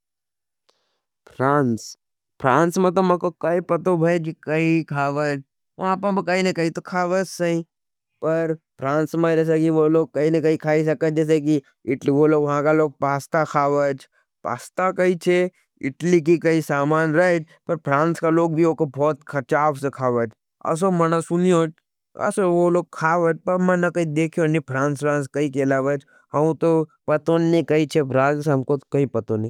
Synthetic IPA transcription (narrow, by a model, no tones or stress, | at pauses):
pʰɾaːns | pʰɾãːnsmẽt̪omɐ̃kokɐipɐt̪obʱɐd͡ʒikɐikʰaːʋəd͡ʒ | ʋɐɦãpɐbʱikɐinɐ̃kɐit̪okʰaːʋət͡ʃsɐɦĩ | pɐɾpʰɾãːnsmẽd͡ʒɛːs̬ekiʋoloːɡ̚kɐinɐ̃kɐikʰaːis̬ɐkəd͡ʒɛːs̬ek̬i | ɪʈliʋoːloʋɐɦãkaloːɡ̚paːst̪akʰaːʋət͡ʃ | pa̰ːst̪akɐit͡ʃʰe | ɪʈlikikɐisaːmaːnɾɐət͡ʃ | pɐɾpʰɾãːnskaloːɡ̚bʱioːkobʱɔːt̪kʰɐt͡ʃaːbsekʰaːʋət͡ʃ | ɐ̰s̬omɐnasʊnijoːt͡ʃ | ɐ̰soʋoloːɡ̚kʰaːʋət͡ʃpɐɾmɐ̃nɐkɐid̪eːkʰijonipʰɾãːnsɾãːns̬kɐikeɐlaːʋət͡ʃ | ɦɐmt̪opɐt̪onːikɐit͡ʃʰepʰɾãːnsɦɐmkokɐipɐt̪oni